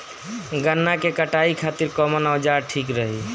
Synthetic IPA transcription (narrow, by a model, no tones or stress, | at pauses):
ɡənːakekəʈaikʰat̪iɾkɔmənawd͡ʒaʈʰikɾəɦi